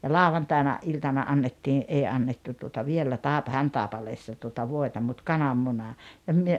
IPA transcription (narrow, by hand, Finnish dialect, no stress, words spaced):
jɑ lɑˑoʋɑntɑˑinɑ ʔiltɑnɑ ʔɑnːetːiː ʔei ɑnːetːu tuotɑ ʋielːæ tɑˑepɑ hæntɑˑepɑleːsːɑ tuotɑ ʋoetɑ mut kɑnɑmːunɑ jɑ myø